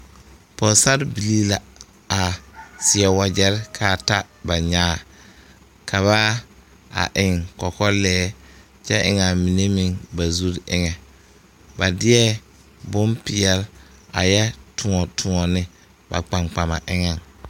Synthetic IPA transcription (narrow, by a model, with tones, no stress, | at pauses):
pɔ˨sa˦ɾbi˨li˦la˨ | a˨sɪ˨ɛ˨wa˨d͡ʒɛ˦ɾkʰa˨ta˦ | ba˨ɲaː˦˨ | kʰa˨βa˦ | a̰˨ʔɪ˨ŋkɔ˨kɔ˦lɛː˦ | t͡ʃɛ˦ʔɪ˨ŋa˨mi˨ne˦mi˦ŋba˨zu˦ɾɪ˦ŋɛ˨ | ba˨dɪ˦ɛ˦ | bʊ˦mpɪ˨ɛ˨˦la̰˨jɛ˦tʰʊ˨ŋɔ˨tʰʊ˨ŋɔ˨nɪ˦ | ba̰˨k͡pa˨ŋ͡mk͡pa˨ma̰˨ʔɪ˦ŋa˨ŋ